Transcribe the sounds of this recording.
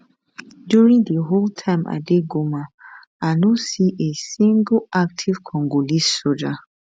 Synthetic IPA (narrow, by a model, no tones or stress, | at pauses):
djuɹĩŋdəɦoltʰãɪ̃ma̰deɡoma | anɔsiʔesĩŋɡlak̚tʰiv̥kʰɔ̃ŋɡolissod͡ʒa